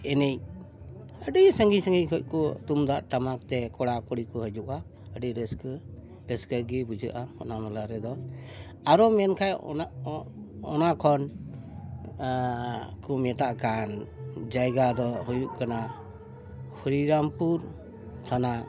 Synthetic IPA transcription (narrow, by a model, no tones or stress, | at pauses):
ɛnɛj | əɖijsəŋɡisəŋɡikʰɔc̚kɔt̪umd̪aʔʈamak̚t̪ɛkɔɽakɔɽikɔɦəd͡ʒuʔa | əɖiɾəsk | ɾəskəɡɛbud͡ʒəʔaɔ̰namɔlaɾɛd̪ɔ | aɾɔmɛnkʰaj | ɔnakʰɔn | kɔmɛt̪aʔkand͡ʒajɡad̪ɔɦujuʔkana | hʰuɾiɾampuɾ | t̪ʰana